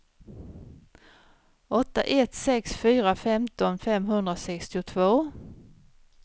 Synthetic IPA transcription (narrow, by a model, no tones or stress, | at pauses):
ɔt̪ːa̰ʔɛt̪sɛksfyːɾafɛmt̪ɔnfɛmɦɵnd̪ɾasɛkst̪ɪʊt̪ʰvoː